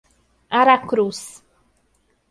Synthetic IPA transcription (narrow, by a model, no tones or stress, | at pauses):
aɾakɾus